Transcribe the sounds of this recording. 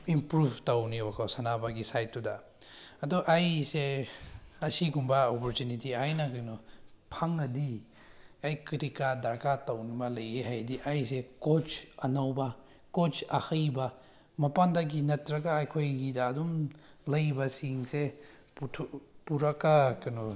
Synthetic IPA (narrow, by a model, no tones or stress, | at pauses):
impɾubʱtɐwniwakʰawsanabɐɡisajtːuda | ɐduʔajse | ɐsiɡumbɐɔpɔɾtunitiajnaɡajnɔpʰaŋɐdi | ajkiɾikadɐɾkatɐwnibɐlɐjeɦajdiʔajsekot͡ʃɐnawbɐ | kot͡ʃɐhɐjbɐ | mɐpandɐɡinɐtɾɐɡaːjkʰojɡidaːdum | lɐjbɐsiŋse | putʰpuɾɐkːakɐnɔ